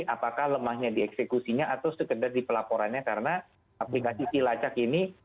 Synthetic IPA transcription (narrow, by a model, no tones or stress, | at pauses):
ʔapakahləmahɲadiɛksekusiɲaat̪ʊwsəkədardipəlapoɾanɲakaɾəna | aplikasisilat͡ʃakini